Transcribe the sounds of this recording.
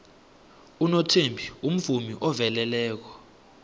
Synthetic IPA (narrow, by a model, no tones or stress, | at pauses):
unotʰembʱium̩vumiʔɔvɛlɛlɛːk̬ɔ̥